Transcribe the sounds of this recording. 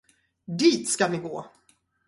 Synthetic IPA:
d̪iːt̪skavɪɡoː

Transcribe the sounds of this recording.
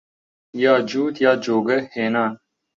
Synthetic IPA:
jaːd͡ʒuːt̪jaːd͡ʒoːɡeheːnaːn

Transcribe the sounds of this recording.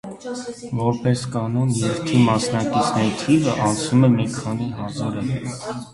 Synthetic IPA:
vɔɾpɛskɑnɔnjɛɾt̪ʰimɑsnɑkit͡sʰnɛɾit̪ʰivəʔɑnt͡sʰnumɛmikʰɑniɦɑzɑɾə

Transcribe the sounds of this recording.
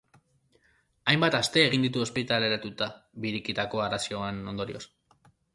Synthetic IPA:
ajmbat̪ast̪e̞ːɣind̪it̪uo̞spit̪ale̞ɾat̪ut̪aβiɾikit̪ako̞aɾasioeno̞nd̪o̞ɾio̞s

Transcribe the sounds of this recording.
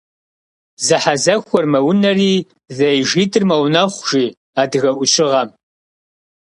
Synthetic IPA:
zɨħazɐxʷɔrmɐwʊnɐriː | zɐjʒiːtʰʼɨrmɐwnɐχʷʒ̥iː | aːdɨɣɐʔʷʊɕʼɪʁɐm

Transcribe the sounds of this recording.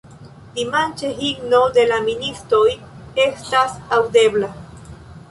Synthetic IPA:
d̪imant͡ʃeɦiɡno̞d̪e̞laminist̪ɾoj | e̞st̪asawd̪e̞bla

